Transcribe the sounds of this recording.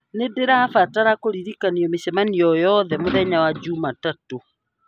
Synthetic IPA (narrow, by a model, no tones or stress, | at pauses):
nedeɾafataɾakoɾiɾikaniɔmisɛmaniɔjɔðɛmoðɛɲawad͡ʒumatato